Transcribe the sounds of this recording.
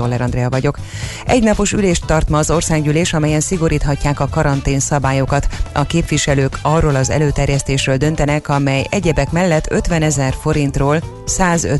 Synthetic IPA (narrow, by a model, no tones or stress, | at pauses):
olːɛɾɒnd̪rɛɒvɒɟo̞k | ɛ̰ɟnɒpo̞ʃyleːʃt̪ːɒrt̪mɒːzo̞rsaːɡɟyleːʃɒmɛjɛnsiɡo̞ɾiːt̪ɦɒcːaːkɒkɒɾɒnt̪eːnsɒbaːjokɒt̪ɒkeːpʋiʃɛløːkɒrːoːlɒzɛ̰løːt̪ɛrjɛst̪eːʃrøːld̪ø̞nt̪ɛnɛkɒmɛjɛɟɛbɛkmɛlːɛt̪ʰːøt̪ʋɛnɛzɛrfo̞ɾint̪roːl | saːzø̰